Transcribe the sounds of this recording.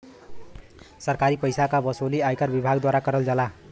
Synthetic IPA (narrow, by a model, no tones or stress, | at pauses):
sʌrkaɾipʌjsakabʌsoliajkarbibʱaɡd̪waɾakʌɾʌld͡zʌla